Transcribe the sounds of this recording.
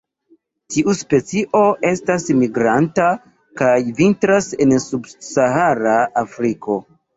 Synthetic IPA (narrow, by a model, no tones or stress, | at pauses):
tiʔuspe̞t͡siʔo̞ʔe̞stasmiɡɾanta | kajvintɾase̞nsubsaɦaɾaːfɾiko̞